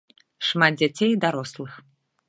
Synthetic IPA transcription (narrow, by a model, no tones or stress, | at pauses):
ʂmad̪̚d͡zʲat͡sʲejd̪aɾɔslˠɨx